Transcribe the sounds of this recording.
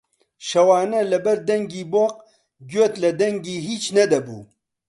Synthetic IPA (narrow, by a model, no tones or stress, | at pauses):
ʃɐwɑːnɐlɐbɐɾd̪ɐŋɡiboq̚ | ɡot̪lɐd̪ɐŋɡiɦit͡ʃnɐd̪ɐbṵ